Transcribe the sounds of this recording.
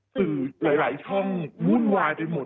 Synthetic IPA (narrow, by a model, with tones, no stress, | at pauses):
sɯː˨˩laː˩˦jlaː˩˦jt͡ɕʰɔ˥˩ŋmu˥˩ənwaː˧jpe˧jmo˨˩